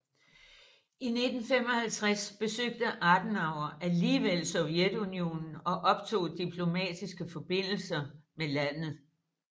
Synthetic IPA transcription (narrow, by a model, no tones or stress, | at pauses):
ine̝d̥n̩fem̰ɒ̽hælt͡sʰʁasb̥e̝søɡ̥̚d̥əʔɑ̈d̥nɑ̈ʊ̰ɐʔæliːʋel̰sɔʊjed̥unio̝̰ːnn̩ɒ̽ʔɒ̽b̥̚t͡sʰo̝̰ːd̥ipʰlo̝mɛ̰ːd̥isɡ̥əfɒ̽b̥e̝n̰l̩sɐmelæn̰ð̩ˠ